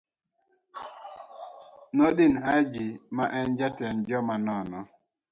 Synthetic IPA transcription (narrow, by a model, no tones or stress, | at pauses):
nɔdinɦad͡ʒimaʔɛnd͡ʒatɛnd͡ʒɔmanɔnɔ